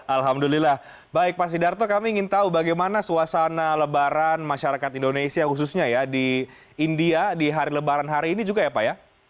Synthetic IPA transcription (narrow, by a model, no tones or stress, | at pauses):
alɦamdulilah | baɪk̚pasidart̪okamiːŋɪnt̪aubaɡajmanasuwasanaləbaɾanmaʃaɾakat̪indonesiahus̬usɲajadi | indiadiɦaɾiləbaɾanɦaɾiːnid͡ʒuɡajapaja